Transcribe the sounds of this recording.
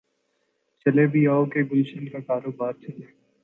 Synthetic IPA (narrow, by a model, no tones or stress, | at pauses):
t͡ʃɐlebʱiaːokeɡʊlʃɪlkakaːɾoːbaːɾt͡ʃɐleː